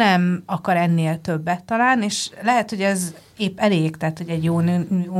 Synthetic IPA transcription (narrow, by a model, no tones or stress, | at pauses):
ɛmɒkɒɾɛnːeːlt̪ø̞bːɛt̪ːɒlaːlnieːʃlɛɦɛt̪ho̞ɟɛz | eːpːɛleːɡt̪ɛɦːt̪ho̞ɟɛɟjoːnjoː